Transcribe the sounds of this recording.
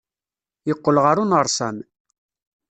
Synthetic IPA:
jəqːəlʁaɾunəɾˤsæ̰m

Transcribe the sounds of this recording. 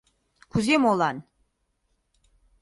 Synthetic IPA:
kʰuzemolˠan

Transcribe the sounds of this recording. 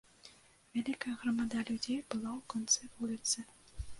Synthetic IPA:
vʲalʲikɐjɐɣrɐmad̪alʲud͡zʲejbɨlˠawkɔnt̪sɨvulʲit̪sɨ

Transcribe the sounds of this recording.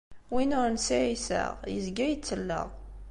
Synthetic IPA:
winʊɾnsiʕisə̰ʁjə̰zɡæjt͡sːəlːə̰ʁ

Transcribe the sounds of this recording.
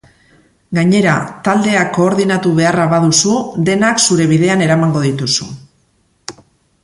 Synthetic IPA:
ɡaɲe̞ɾat̪ald̪e̞akːo̞ːɾðinat̪uβe̞araβaðusud̪e̞naksuɾe̞β̞iðe̞ane̞ɾamaŋɡo̞ð̞it̪usṵ

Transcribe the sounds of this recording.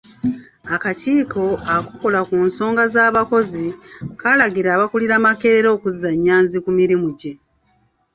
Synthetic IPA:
akaciːkʰo̞akuko̞lakuːnso̞ːŋɡazaːβako̞zikalaɡiɾaːβakuliɾamake̞ɾe̞ɾo̞ːkuzːaɲːaːnzikumiɾimuɟe̞

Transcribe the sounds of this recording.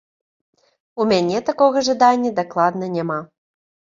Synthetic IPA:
umʲanʲɛt̪akɔɣɐʐad̪anʲːɐd̪aklˠad̪nɐnʲama

